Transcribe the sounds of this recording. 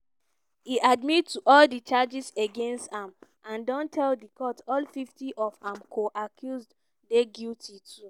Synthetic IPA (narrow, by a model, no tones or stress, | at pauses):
iʔadmittuʔɔldit͡ʃad͡ʒiseɡẽnstãmʔãndɔ̃ntʰɛldikɔtɔlfiftiʔɔfãmkʰoʔakʰjuzd | deɡiltitʰu